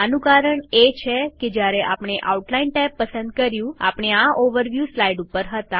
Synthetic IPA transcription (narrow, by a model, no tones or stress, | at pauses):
anũkaɾəɳet͡ʃʰeked͡ʒjaɾeʔapɳ̃eʔa̰uʈlainʈapːəsənd̪kəɾjũa̰pɳ̃eaʔoʋəɾʋjuslaiɖupːəɾɦət̪a